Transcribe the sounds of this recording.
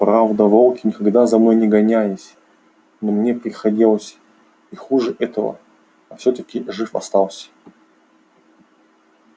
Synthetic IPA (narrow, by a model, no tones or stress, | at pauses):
pɾavd̪əvolˠkʲɪnʲɪkɐɡd̪azɐnojnʲɪɡɐnʲæjɪsʲ | nomnʲepɾʲɪxɐdʲilˠəsʲ | ɪxuʐɨʔɛt̪əvə̰ | ɐfsʲot̪əkʲɪʐɨfɐ̰st̪alˠsʲ